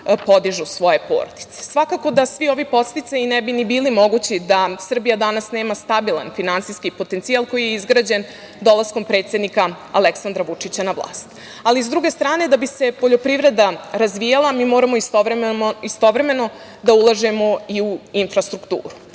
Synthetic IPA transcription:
po̞d̪iʒusʋo̞je̞po̰ːɾod̪i̥t̪se̥sʋakako̞d̪asʋio̞ʋipo̞t̪st̪it̪sajinɛbinibiːlimo̞ɡut͡ɕid̪asr̩bijad̪anasne̞ːmast̪abilˠa̰nfinantsijskipo̞t̪ent̪sijalˠko̞jijeizɡɾaːd͡ʑen | d̪o̞lˠasko̞mpɾe̞t̪sje̞d̪nika | a̰leksand̪ɾaʋut͡ʂit͡ɕanaʋlˠa̰ːst̪ | alizd̪ɾuɡe̞st̪ɾaːne̞d̪abise̞po̞ʎo̞pɾivɾe̞d̪aɾazʋijalˠamiːmo̞ːɾamo̞isoɾist̪o̞ʋɾe̞me̞no̞ | d̪aulˠaʒe̞mo̞iuinfɾast̪ɾukt̪ṵːɾu

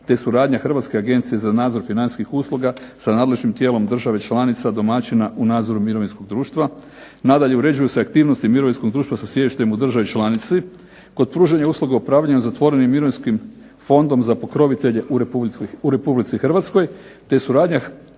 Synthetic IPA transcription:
t̪e̞suɾaːd̪ɲaxr̩ʋat̪skeaɡent̪sije̞zanaːd̪zo̞ɾfinanskixuslˠuɡasanaːd̪le̞ʒnimt̪jeːlo̞md̪r̩ʒaʋe̞t͡ʃlˠanit̪sad̪o̞mat͡ɕinaʔunaːd̪zo̞ɾumiɾo̞ʋinsko̞ɡ̚d̪ɾuːʃt̪ʋa | nad̪aʎe̞uɾe̞d͡ʑujuseakt̪iːʋnost̪imiɾo̞ʋinskoɡd̪ɾuːʃt̪ʋasasjediʃt̪emud̪r̩ʒaʋit͡ʃlˠanit̪si | ko̞d̪̚pɾuːʒaɲauːsluɡaupɾaːʋlʎaɲuzat̪ʋo̞ɾe̞nimːiɾo̞ʋinskim | fo̞nd̪o̞mzapo̞kɾo̞ʋit̪e̞ʎe̞ʔuuɾe̞publit̪sixrʋat̪sko̞jt̪e̞suɾaːd̪ɲa

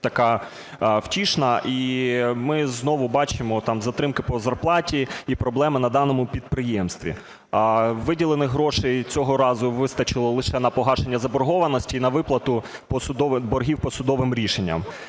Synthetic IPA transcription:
t̪ɐkɑ | wtʲiʃnɐʔimɪznɔʋʊbɑt͡ʃɪmɔt̪ɑmzɐt̪ɾɪmkɪpɔzɐrplˠɑtʲiipɾɔblˠɛmɪnɐd̪ɑnɔmʊpʲid̪̚pɾɪjɛmst̪ʋʲḭ | ʋɪdʲilˠenɪɦɾɔʃejt͡sʲɔɦɔɾɑzʊʋɪst̪ɐt͡ʃɪlˠɔlˠɪʃɛnɐpɔɦɑʃenʲːɐzɐbɔrɦɔʋɐnɔsʲtʲiːnɐʋɪplˠɐt̪ʊ | pɔsʊd̪ɔʋbɔɾɦʲiwpɔsʊd̪ɔʋɪmɾʲiʃenʲːɐ̰m

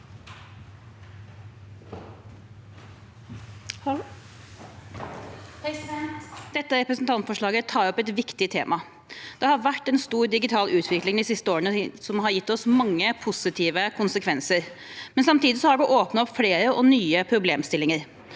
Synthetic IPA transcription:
d̪̥ɛt̪ːəɾɛpɾəsnt̪ʰɑnt̪fɔʂɭɑːɡət̪ʰɑːɾɔpːɛt̪ʋɪkt̪ɪt̪ʰḛːmʔɑ | d̪̥ɛhɑɾʋæʈːɛnst̪uːɾd̪ɪɡɪt̪ʰɑːlʔʉːt̪ʰʋɪklɪŋd̪isɪst̪əoːɾənəsɔmɦɑɾjɪt̪ːɔsmɑŋːəpʰʊsɪt̪ʰiːʋəkʰʊnsəkʰʋɛnsəɾ | mɛnsɑmt̪ʰiːd̪ɪsɔhɑɾʋɪʔoːpnɑɔpːfleːɾəʔɔnyːəpʰɾʊbleːmst̪ɪlːɪŋəɾ

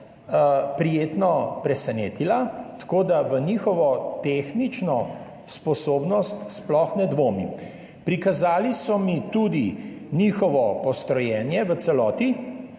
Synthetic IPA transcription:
pɾijeːt̪nɔpɾɛsɛneːt̪ilat̪kod̪aʋənixɔʋɔt̪exnit͡ʃnɔ | spɔsoːbnɔst̪splɔxnɛd̪ʋoːmḭ | pɾikazaːlisɔmit̪ud̪i | niːxɔʋɔpɔst̪ɾɔjɛːnjɛʋəsɛlɔːt̪i

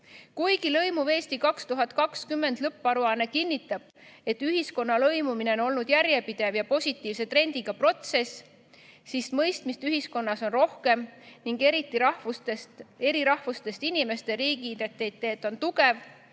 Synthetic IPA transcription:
kujɡilɤ̞jmuve̞ːst̪ikɑkst̪uɦɑt̪̚kɑkskymːe̞nd̪̥lɤpːˑɑɾuɑnːe̞kinʲːit̪ːˑɑb̥̚ | e̞t̪ːyɦisko̞nːɑlɤjmumine̞ono̞lnud̪̥jæɾje̞pid̪̥e̞vjɑpo̞sʲit̪ːˑiːvse̞t̪ɾe̞nʲd̪̥iɡ̥ɑpro̞t̪se̞sː | ismɤjst̪mist̪yɦisko̞nːɑso̞nro̞hke̞mniŋɡeɾit̪ːˑiɑest̪e̞ɾiɾɑhvust̪e̞st̪inime̞st̪e̞ɾiːɡid̪et̪ːˑet̪ːe̞ːt̪ːˑo̞nt̪uɡe̞v

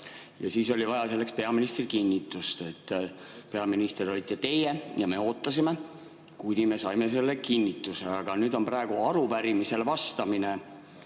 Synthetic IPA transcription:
jɑ̰siːso̞lʲivɑjɑse̞lːe̞kspe̞ɑminist̪rikinʲːit̪ːˑust̪et̪ːˑpe̞ɑminist̪ero̞lʲit̪ːˑet̪e̞jejɑme̞o̞ːt̪ːɑsime̞ | kujd̪ime̞sɑjmes̬e̞lːe̞kinʲːit̪ːˑuseɑɡ̥ɑnyːd̪o̞mpɾɑeɡ̥uɑɾupæɾimise̞lvɑst̪ɑmine

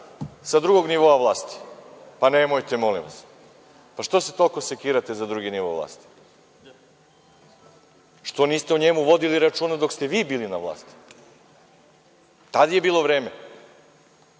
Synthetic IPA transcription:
sad̪ɾuɡo̞ɡniʋo̞aʋlˠaːst̪i̥panemojt̪emolḭmʋa̰s | paʃt̪o̞set̪olko̞sekiːɾat̪ezad̪ɾuɡiniʋo̰ʋlˠa̰ːst̪i̥ | ʃt̪o̞niːst̪euɲemuʋo̞d̪iliɾat͡ʃuːnad̪o̞kst̪eʋiːbiːlinaʋlˠa̰ːst̪i̥ | t̪ad̪jebiːlˠo̞ʋɾeːme

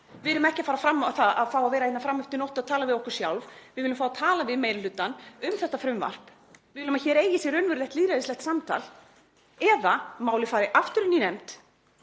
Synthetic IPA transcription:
vɪðɪʏmɛhcɪafaːɾafɾamːθaða̰ðfaːwaðvɛːɾaennafɾamːʏft̪ɪnɔwht̪ʏɾaðt̪ʰaːlavɪðɔhkʏɾ̥sja̰wlvvɪðvɪlʏmfawat̪ʰaːlavɪðmeːjɾɪlʏːt̪anʏmθɛht̪ːafɾʏmva̰r̥p | vɪðɪlʏmaçɛɾeːjɪsjɛɾʏnvʏɾlɛht̪liːðɾaðɪslɛht̪samt̪ʰa̰l | ɛðamaːwlɪfaːɾɪʔaft̪ʏɾʏninɛmt̪

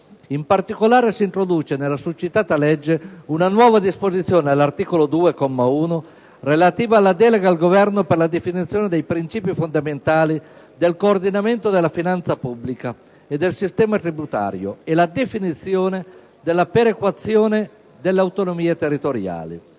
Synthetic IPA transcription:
impart̪ikolaːɾesiːnt̪ɾod̪uːt͡ʃenelːasut͡ʃːit̪aːt̪alɛd͡ʒːeunanwɔːvad̪ispozit̪sːjoːneelːart̪iːkolod̪uːekɔmːauːno | relat̪iːvaːlːad̪ɛːleɡalɡovɛrnoperlad̪efinit̪sːjoːned̪ejpɾint͡ʃiːpifond̪ament̪aːli | d̪elkoːrd̪inament̪od̪elːafinant̪sapubːlika | ed̪ːelsist̪ɛːmat̪ɾibut̪a̰ːɾjo̰elad̪efinit̪sːjoːne | d̪elːapeɾekwat̪sːjoːne | d̪elːeawt̪onomiːat̪erːit̪oɾja̰ːlḭ

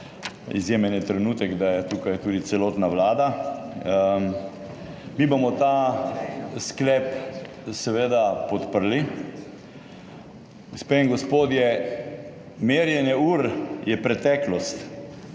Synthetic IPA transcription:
ḭzjeːmɛnɛt̪ɾɛnuːt̪ɛɡd̪ajɛt̪ukajt̪uːd̪it̪sɛloːt̪naʋlaːd̪a | mibomɔt̪a | sklɛːp | sɛʋeːd̪apɔt̪pəɾli | ɡspeŋɡɔspoːd̪jɛ | meːɾjɛnjɛuːɾjɛpɾɛt̪ɛːklɔst̪

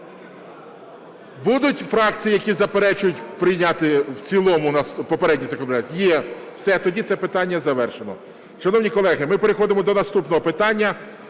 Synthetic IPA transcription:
bud̪ʊtʲfɾɑkt͡sʲijijɐkʲizɐpeɾɛt͡ʃʊjʊtʲpɾɪjnʲat̪ɪwt͡sʲilˠɔmʊnɐspɔpeɾɛdʲnʲizɐkɔnpɾʲnʲat̪ʲjɛwsɛt̪ɔdʲit̪sɛpɪt̪ɑnʲːɐzɐʋɛrʃenɔ̰ | ʃɐnɔwnʲikɔlˠɛɦɪmɪpeɾɪxɔd̪ɪmɔd̪ɔnɐst̪upnɔɦɔpɪt̪ɑnʲːɐ

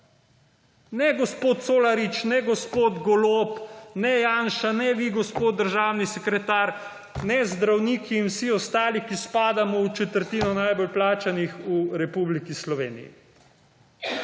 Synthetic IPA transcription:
nɛɡɔspoːt̪t̪soːlaɾit͡ʃnɛɡɔspoːd̪ɡɔlopnɛjaːnʃanɛʋiɡɔspoːt̪̚d̪ːəɾʒaːwnisɛkɾɛt̪aːɾ | nɛzd̪ɾawniːkiːnwsiɔst̪aːlikispaːd̪amɔut͡ʃɛt̪əɾt̪iːnɔnajbɔlplaːt͡ʃanixuɾɛpublikislɔʋḛːnḭjḭ

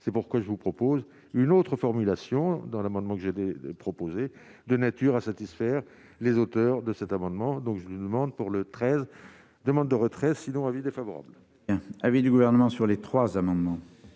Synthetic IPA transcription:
sɛpuʁkwaʒəvupχɔpoz | ynot̪χəfɔʁmylasjɔ̃d̪ɑ̃lamɑ̃d̪mɑ̃kəʒed̪epχɔpoze | d̪ənat̪yʁasat̪isfɛʁ | lezot̪œʁd̪əsɛt̪amɑ̃d̪mɑ̃d̪ɔ̃kʒəlɥid̪əmɑ̃d̪puʁlət̪χɛz | d̪əmɑ̃d̪ːəʁət̪χɛsinɔ̃avid̪efavɔʁa̰bl | jɛ̃avid̪yɡuvɛʁnəmɑ̃syʁlet̪χwazamɑ̃d̪mɑ̃

